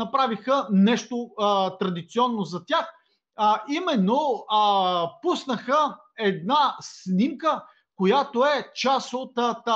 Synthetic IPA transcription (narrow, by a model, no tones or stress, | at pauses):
ɐpɾavixənɛʃt̪ot̪ɾɐd̪it̪siɔnːozɐt̪ʲax | əimɛnːo | pusnəxə | ɛd̪nasnimkə | kojat̪oɛt͡ʃasot̪t̪